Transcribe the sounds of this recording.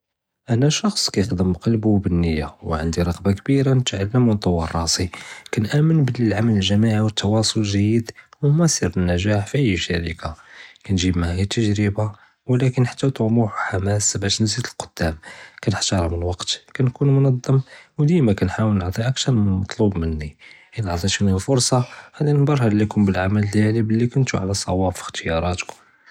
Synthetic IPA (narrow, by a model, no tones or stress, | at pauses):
ʔænæʃɑxsˤkæjəqd̪əmbqɑlbuwbənːəjːawʕənd̪iɾˤɑqbakbiɾanət̪ʕalːəmwənt̪ˤɑwɑrˤːɑsikænʔæmənbəlilʕamæləlʒæmaʕawət̪ʰːɑwɑsˤolʒæjəd̪wmæsˤiɾbənːæʒaħfiʔəjːʃæɾikʰakænʒibmæhijæt̪ʰːəʒɾəba | wəlækənħḁt̪ːæwt̪ʊʕmuħħamæsbæʃnzid̪əlqʊ̥d̪̥ːæmkænəħt̪ɑɾˤɑmənwɑqt̪kænkunmʊnɑd̪ˤːɑmwd̪ijmækænħawəlnəʕt̪ˤiʔæk̚t̪ɑɾˤmɑt̪ˤlubmənːiʔələʕt̪ˤinifʊɾˤsˤɑad̪ænbɑɾˤhɑlːikʊmbəlʕamællælibəlːikʊnt̪ṵʕa̰læsˤɑ̰wɑffi̥xt̪əjɑɾˤɑt̪k